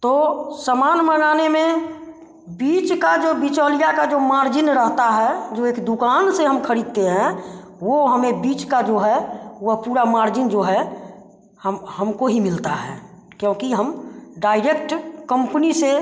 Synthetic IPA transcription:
t̪osəmaːnmənaːnemẽ | biːt͡ʃkad͡ʒobɪt͡ʃɔːlijakad͡ʒomaːɾd͡ʒɪnɾəɦt̪aɦɛd͡ʒoeːkd̪ʊkaːnseɦəmkʰəɾid̪̚t̪eɦɛ̃ | woɦəmebiːt͡ʃkad͡ʒoɦɛəpuːɾamaːɾd͡ʒɪnd͡ʒoɦɛ | həmhəmkoɦimɪlt̪aɦɛ̰ː | kjõːkiɦəmɖaːɪɾekʈkə̃mpnise

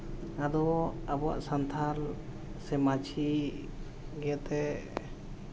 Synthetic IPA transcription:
ad̪ɔabɔa̰ʔsant̪ʰal | sɛmat͡ʃʰi | ɡɛt̪ɛ

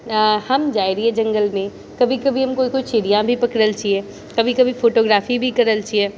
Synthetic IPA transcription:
hɐmd͡ʒaːiɾiɛd͡ʒɐ̃ŋɡəlmẽ | kɐbʱikɐbʱiɦɐmkoːikoit͡ʃeːɽijãbʱipɐkɽəlt͡ʃiɛː | kɐbʱikɐbʱifoːʈoːɡɾaːfibʱikɐɾəlt͡ʃiɛː

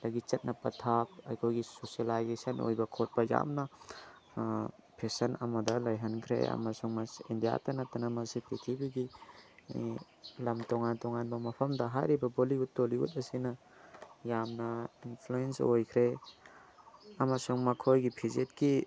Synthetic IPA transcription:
dɐɡit͡ʃɐt̚nʔɐpɐtʰap̚ɐ̰jkʰojɡisosalajzesɐnʔo̰jbɐkʰot̚bɐja̰mnɐ | pʰesɐnɐmɐdɐlɐjɦɐnkʰɾḛɐ̰mɐsuŋmɐsḭndija̰tɐnɐtɐnɐmɐsipʰitʰibiɡi | lɐmtoŋantɔŋanbɐmɐpʰɐmdɐɦa̰jɾibɐboliutːoliṵtɐsinɐ | jamnɐinpʰluensojkʰɾe | ɐmɐsuŋmɐkʰojɡipʰizet̚ki

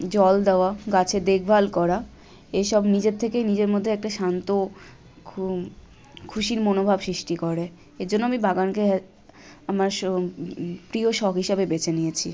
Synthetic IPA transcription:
d͡ʑɔld̪eoaɡat͡ɕʰed̪eɡ̚ʰʱbʱalkɔɾa | eʃɔbnid͡ʑeɾt̪ʰekejnid͡ʑeɾmod̪ʱːeɛk̚ʈaʃant̪o | kʰuʃiɾmonobʱabsɾiʃʈikoɾe | eɾd͡ʑonːoamibʱaɡanke | amaɾ | pɾioʃɔɡɦiʃebebet͡ɕʰenijet͡ɕʰi

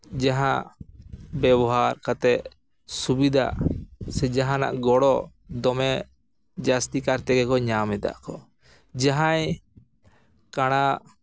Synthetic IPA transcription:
d͡ʒaɦã | bɛbɔɦaɾkat̪ɛʔ | subid̪ʱa̰sɛd͡ʒaɦãna̰ʔɡɔɽɔ | d̪ɔmɛ | d͡ʒast̪ikaɾt̪ɛɡɛkɔɲamɛd̪a̰ʔkɔ | d͡ʒaɦaj | kaɽ̃a

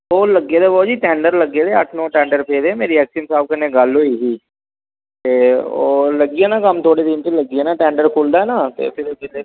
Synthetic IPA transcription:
oːləɡeːd̪eːboːd͡ʒiːʈɛ̃ːɳɖəɾləɡeːd̪eːəʈʰnõːʈɛ̃ːɳɖəɾpʰeːd̪eːmeːɾiɛːksinsaːbkəneːɡəlɦoːiɦiː | t̪eːoːləɡiɛːnaːkəmt̪ʰoːɽeːd̪ɪnt̪eləɡiɛːnaʈɛ̃ːɳɖəɾkʰʊld̪aːɛnaːt̪ḛːpʰɪɾbɪle

